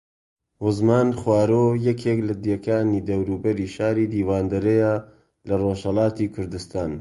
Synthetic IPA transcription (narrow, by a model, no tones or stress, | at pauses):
wʊzmaːnxwaːɾoːjɛkʰeːklɐd̪jɛkʰaːniːd̪ɐwɾuːbɐɾiːʃaːɾiːd̪iːwaːnd̪ɐɾɐja | lɐroːʃhɐlɑːt̪iːkʰʊɾd̪ɨst̪aːn